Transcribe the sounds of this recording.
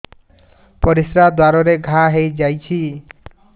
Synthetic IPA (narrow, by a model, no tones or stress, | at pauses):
pɔɾisɾad̪waɾɔɾeɡʱaɦejd͡ʒajt͡ʃʰi